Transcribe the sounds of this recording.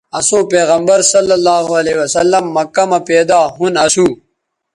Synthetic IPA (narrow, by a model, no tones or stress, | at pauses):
ɐsõːpeːɣɐmbɐɾsɐlːɐlːaːɦoɐlewɐsɐlːɐmːɐkɐmɐpeːd̪aːɦunɐsuː